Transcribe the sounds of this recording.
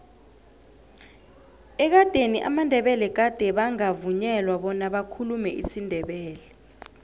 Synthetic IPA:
ɛk̬ad̥ʱeniʔa̰mandʱɛɓɛlɛk̬ad̥ʱɛɓaŋavuɲɛlwaɓɔnaɓakʰulumɛʔisindʱɛɓɛːlɛ

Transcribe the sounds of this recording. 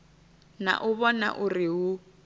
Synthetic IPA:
na̰ʔʊβɔna̰ʔʊriɦu

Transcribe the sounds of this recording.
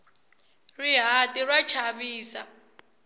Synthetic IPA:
riɦatʼirwat͡ʃʰaβiːsa

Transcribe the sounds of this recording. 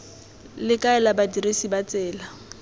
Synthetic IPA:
lɪkʼaɛlabadiresibat͡sɛːla

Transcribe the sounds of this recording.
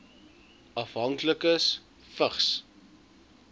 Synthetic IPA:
ɐfɦɐŋkləkəs | fəχs

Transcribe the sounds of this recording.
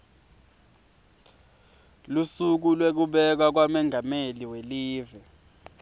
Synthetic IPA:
lusuk̬ulwek̬uɓɛk̬wak̬wamɛŋʱameliweliːvɛ

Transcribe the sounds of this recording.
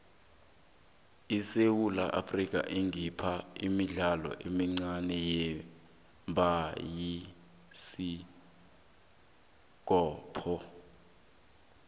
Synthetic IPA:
isewulaʔa̰frik̬ʼa̰ʔiŋipʰaimiɮalɔ̰ʔemiŋ͡ǀanɛjɛ | mbʱaji | si | ɡ̥ʱɔːpʰɔ

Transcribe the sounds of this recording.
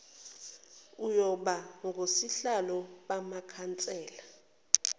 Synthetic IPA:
ujɔɓaŋɡʱosiɬalɔɓamakʰant͡sʼɛːla

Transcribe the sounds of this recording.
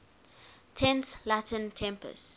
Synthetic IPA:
tʰɛ̃nslatʰə̃ntʰɛ̃mpə̰st

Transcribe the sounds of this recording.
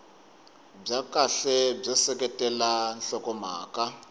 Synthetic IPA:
b͡ʐakaɬɛb͡ʐɔsɛkɛtʼɛlanɬɔkɔma̰ːka

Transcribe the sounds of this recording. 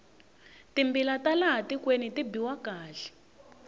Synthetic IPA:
timbilatalaɦatikwenitibiwakaːɮi̥

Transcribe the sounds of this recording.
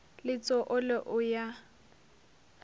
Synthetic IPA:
lɪt͡sʼɔʔʊlɪʔʊja

